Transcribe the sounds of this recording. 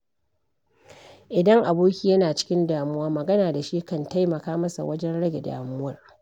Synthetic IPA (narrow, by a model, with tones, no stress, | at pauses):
ʔɪ˨dɐ˦ŋʔa˨boː˦kʲiː˦jɐ˦naː˨t͡ʃɪ̥˦kʲɪ˦ndaː˨mʊ˦waː˦mɐ˨ɡɐ˦naː˨da˨ʃiː˦kɐ˦˨nta˦jmɐ˨kaː˦mɐ˦sa̰˨wʔɐ˦d͡ʒɛ˦nɽɐ˦ɡʲe˨da̰ː˨mʊ˦wɐ˨r